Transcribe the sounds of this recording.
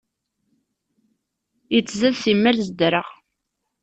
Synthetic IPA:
jət͡sːzæðθimːəɾzd̪ɾəʁ

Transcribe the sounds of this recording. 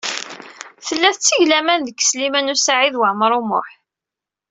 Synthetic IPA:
θəlːæθət͡sːiʝlæmænðəkːə̥slimænusaʕiðwəʕməɾˤumʊ̰ħ

